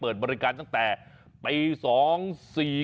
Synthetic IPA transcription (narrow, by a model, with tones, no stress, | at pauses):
pɤː˨˩t̪̚bɔː˧ɾi˦˧kaː˧nt̪a˥˩ŋt̪ɛː˨˩ | pa˧jsɔː˩˦ŋsiː˨˩